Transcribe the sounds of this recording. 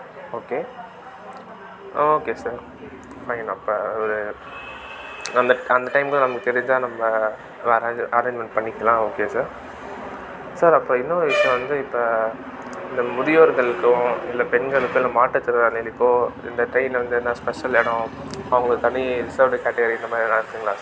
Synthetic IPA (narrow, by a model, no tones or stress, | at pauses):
oːkeː | oːkeːsɐɾ | fɐɪnɐpːoɔɾɯ | ɐnd̪ɐɐnd̪ɐʈɐɪmkːɐnɐmɐkːɯt̪ɛɾɪɲd͡ʒaːnɐmːɐ | ɐɾeɐɾẽːɲd͡ʒmɛɳʈpɐɳːɪkːɐlãːoːkeːsaːɾ | sɐɾɐpːɯɾõːɪnːɐːɯʋɪʂɐjɔ̃ʋɐnd̪ɯɪpːo | ɪnd̪ɐmʊðɪjoːɾɣɐɭɯkːʊ̃ɪlːɐpɛnɡɐɭɯkːʊ̃ɪlːaːmaːʈːɐt̪ːɯɾɾaːnɛlɪpːoːɪ̰nd̪ɐʈɐɪnʋɐnd̪ɯnãːspɛʂɐleːɽʊ̃ | ɐʋɐŋɡɐɭɯkːɯt̪ɐɳːiɾɪsɐːɾʋɖɐkɛːʈːɛɡɐɾiɪnd̪ɐmaːd̪ɾilãːɪɾɯkːɯːŋɡɐlaːsɐ